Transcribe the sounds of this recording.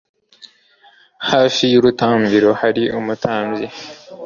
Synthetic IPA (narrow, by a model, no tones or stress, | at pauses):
haːfijuɾutaːmbiɾo̞haɾiʔumutʰaːmbzi